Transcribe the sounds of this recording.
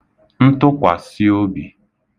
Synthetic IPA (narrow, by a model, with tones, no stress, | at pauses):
n̩˦tʊ˦kʷa˨si˦o˦bi˨